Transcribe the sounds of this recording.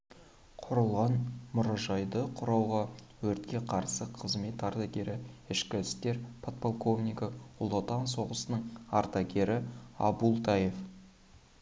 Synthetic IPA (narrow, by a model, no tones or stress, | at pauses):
qʰʊɾəlˠʁɑnmʊɾɑʒɑjd̪əqʰʊɾɑwʁɑ | wɵɾt̪kʲe̞qʰɑɾsəqʰəzme̞t̪ɑɾt̪ɑɡʲe̞ɾɪɪʃkʲɪɪst̪e̞ɾpʰot̪polˠkovnijkəʊlˠot̪ɑnso̞ʁəsənəɴɑ̰ɾt̪ɑɡʲe̞ɾɪɑ̰bulˠt̪ʰɑje̞f